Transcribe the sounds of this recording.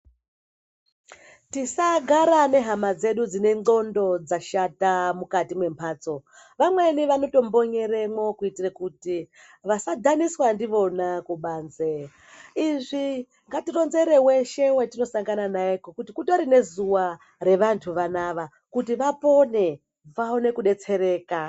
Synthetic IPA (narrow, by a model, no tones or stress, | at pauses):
tisaɡʱaɾane̞ɦamad͡ze̞ɗud͡zine̞ŋo̞ndo̞d͡zaʃatamukatimwe̞mpʰaːt͡so̞ | ʋamweniʋano̞to̞mbo̞ɲe̞ɾe̞mwo̞kuitirakuti | ʋasadʱaniswandiʋo̞nakuɓaːnze | iʐi | ŋɡatiro̞nze̞ɾe̞we̞ʃe̞wetino̞saŋɡananaekokutikutoɾine̞zuwa | re̞ʋantʰuʋanaʋa | kutiʋapo̞ne̞ | ʋaone̞kuɗe̞t͡se̞ɾe̞ːka